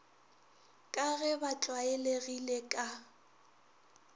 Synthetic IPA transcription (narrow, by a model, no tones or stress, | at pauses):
kʼaɣɛbat͡ɬʼwaeleɣilekʼa